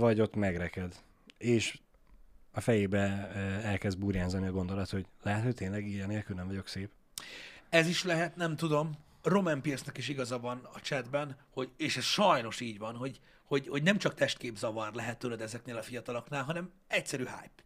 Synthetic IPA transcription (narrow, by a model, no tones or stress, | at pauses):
vɒɟo̞t̪mɛɡɾɛkɛd̪ | eːʃ | ɒfɛjeːbɛɛlkɛzd̪̚buːɾjaːzɒniɒɡo̞nd̪o̞lɒt̪ho̞ɟlɛɦɛt̪ho̞c̚t̪eːnlɛɡiːjɛneːlkylnɛɱvɒɟo̞kseːp | ɛziʃlɛɦɛt̪nɛmt̪ud̪o̞m | ro̞mɛmpirsnɛkiʃ̬iɡɒzɒvɒnɒt͡ʃɛd̪bɛnho̞ɟeːʃɛsʃɒjno̞ʃiːɟvɒnɦo̞ɟ | ho̞ɟho̞ɟnɛmt͡ʃɒkt̪ɛʃt̪̚keːbzɒvɒrlɛɦɛt̪ːølɛd̪ɛzɛkneːlɒfijɒt̪ɒlɒknaːlɦɒnɛm | ɛcsɛɾyːɦa̰ːjp